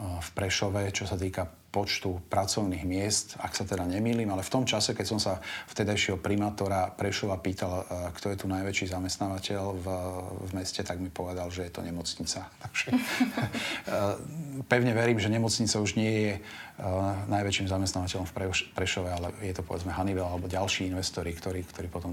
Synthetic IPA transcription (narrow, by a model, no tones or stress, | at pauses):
fpɾɛʃɔʋɛt͡ʃɔsat̪iːka | pɔt͡ʃt̪upɾat͡sɔʊniːɣmɪɛst̪a̰ksat̪ɛd̪aɲɛmiːliːmalɛft̪ɔmt͡ʃasɛkɛcsɔmsaft̪ɛd̪ajʃɪɛɦɔpɾimaːt̪ɔɾapɾɛʃɔʋapiːt̪alkt̪ɔjɛt̪unajʋɛt͡ʃiːzamɛst̪naːʋacɛl | vmɛscɛt̪aɡmipɔʋɛd̪alʒɛjɛt̪ɔɲɛmɔt͡sɲit͡sat̪aɡ̥ʒ̥ɛ | pɛʊɲɛʋɛɾiːmʒɛɲɛmɔt͡sɲit͡sauʒɲɪɛjɛ | najʋɛt͡ʃiːmzamɛst̪naʋacɛʎɔ̃ɱfpɾɛpɾɛʃɔʋɛalɛ̰jɛt̪ɔpɔʋɛd͡zmɛɦaniʋɛlalɛbɔɟalʃiːinʋɛst̪ɔɾikt̪ɔɾiːkt̪ʰɔɾiːpɔt̪ɔm